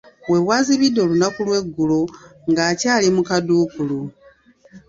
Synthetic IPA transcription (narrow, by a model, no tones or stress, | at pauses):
we̞waziβido̞lunakulwe̞ɡːuloŋɡaːcaːlimukaduːkulu